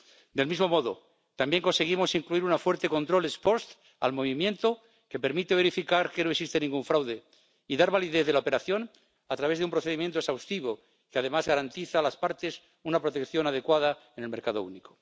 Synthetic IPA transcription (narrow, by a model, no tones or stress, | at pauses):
d̪e̞lmizmo̞mo̞ðo̰ | t̪ambje̞ŋko̞nse̞ɣ̞imo̞siŋkluiɾunafwe̞ɾt̪e̞ko̞nt̪ɾo̞lespo̞st̪ | a̰lmoβ̞imje̞nt̪o | ke̞pe̞ɾmit̪eβe̞ɾifikaɾkenoeksist̪enĩŋɡuɱfɾawðe̞ | iðaɾβaliðeθðe̞laopeɾaθjo̞n | at̪ɾaβ̞ezðeumpɾoθe̞ðimjent̪oesawst̪iβ̞o̞ | keað̞e̞mazɣaɾant̪iθaːlaspaɾt̪e̞s | unapɾo̞t̪ekθjo̞nað̞e̞kwað̞aenelme̞ɾkaðo̰ṵniko